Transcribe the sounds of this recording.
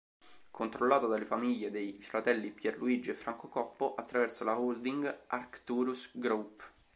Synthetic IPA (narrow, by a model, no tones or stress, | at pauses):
kʰont̪ɾolːaːt̪od̪alefamiʎːed̪ejfɾat̪ɛlːipjɛrluid͡ʒefːɾaŋkokɔpːoʔat̪ːɾavɛrsolaold̪iŋɡarkt̪uɾusɡɾop